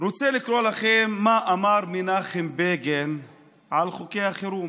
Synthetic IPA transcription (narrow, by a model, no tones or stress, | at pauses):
ɾot͡selikɾolaχemːaʔamaɾminaχimbeɡen | ʕalχokeaχeɾum